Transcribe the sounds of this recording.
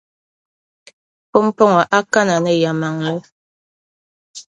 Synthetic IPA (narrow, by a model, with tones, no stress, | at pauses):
pɔ˦m̩˦pɔ˦ŋɔ˨ʔa˦ka˦na˨nə˦ja˨ma˨ŋlɛ˦